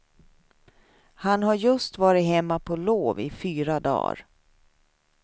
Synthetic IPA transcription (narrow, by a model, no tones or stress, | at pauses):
hanhaɾjɵst̪vɑːɾɪt̪ɦɛmːapʰɔloːvɪ̰fyːɾad̪ɑ̰ːɾ